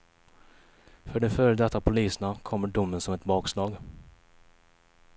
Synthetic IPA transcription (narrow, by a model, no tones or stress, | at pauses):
fœɖɛfœːɾəd̪ɛt̪ːapʰʊliːsənakʰɔmːəɖʊmːənsɔmɛt̪bɑːkslɑːɡ